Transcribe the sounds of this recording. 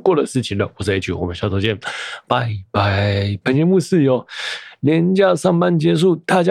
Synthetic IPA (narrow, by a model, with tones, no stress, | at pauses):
kwɔ˥˨də˨˩ʂɻ̩˥˩t͡ɕʰi˨˩ŋd̪ə˨wɔ˨˩t͡sa˥˩˨i˥˩t͡ɕʰy˥˩wmə˨˦ɕt͡sʰo˧˥t͡ɕɛ˥˨npa˧ɪpa˧˩pʰa˧˥ŋt͡ɕɛ˧˥mu˥˧s̩˥˨jo˨˦ljɛ˧˦nt͡ɕja˥˧sɑ˥˩ŋpa˥˨nt͡ɕjɛ˧˥ʂ̬u˥˧t̪a˥˨t͡ɕja˥